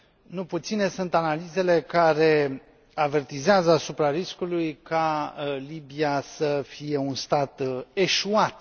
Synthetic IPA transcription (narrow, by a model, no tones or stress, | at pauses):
nuput̪sine̞sunt̪analize̞le̞kaɾe̞ | ave̞rt̪izeazəasupɾaɾiskulujkalibiasəfije̞unst̪at̪e̞ʃuat̪